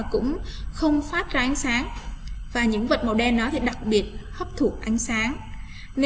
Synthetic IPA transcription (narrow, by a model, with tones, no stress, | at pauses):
kʊ̰˧˥ŋ͡mxə˧wŋ͡mfaː˦˥t̚zaː˧ʔa˨˦jŋ̟saː˨˦ŋvaː˨˩ɲɨ̰˧˥ŋvə˨˩t̚ma˨˩wɗɛ˧nɗɔ˨˦t̪ʰi˨˩ɗa˨˩k̚ɓi˨˩ət̚hə˦˥p̚t̪ʰu˨˩ək̚ʔa˨˦jŋ̟saː˨˦ŋ | ne˧